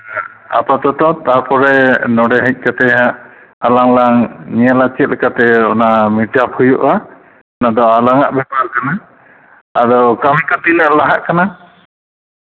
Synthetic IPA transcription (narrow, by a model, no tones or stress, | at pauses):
a̰pat̪ɔt̪ɔt̪aɾpɔɾɛnɔɽɛɦɛc̚ˀkat̪ɛɦaʔ | alaŋlaŋɲiɛlat͡ʃit̪̚lɛkat̪ɛɔnamiʈapʰujuʔa | ɔnad̪ɔalaŋaʔbɛpaɾkanaː | dɔkamikɔt̪inaʔlaɦaʔkana